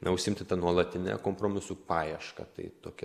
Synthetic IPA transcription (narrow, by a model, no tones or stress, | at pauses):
nɐʊʃʲsʲɪɪmʲt̪ʲɪt̪ɐnuɔlˠɐt̪ʲɪnʲɛ̰koːmpɾoːmʲɪsuːpɑːjɛʃkɐ̰t̪ɐɪt̪oːkʲɛ